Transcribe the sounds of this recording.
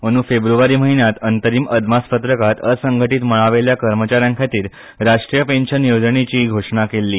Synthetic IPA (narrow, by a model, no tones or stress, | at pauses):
əñuːfebɾuʋaɾiːməɦinjat̪ənt̪əɾiːməd̪maspət̪ɾəkat̪əsəŋɡʱəʈiːt̪məɭaʋeljakəɾmət͡ɕaɾjãŋkʰat̪iːɾ | ɾaʂʈɾijəpenɕənjod͡zɳet͡ɕiːɡʱoʂɳakelːiː